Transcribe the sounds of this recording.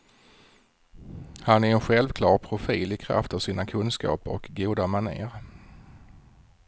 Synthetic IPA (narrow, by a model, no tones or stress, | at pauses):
hanæɾɛnɧɛlvkʰlɑːɾpʰɾʊfiːlɪkʰɾa̰ft̪avsiːnakʰɵnskɑ̰ːpəɔ̰kɡuːd̪amanḛːɾ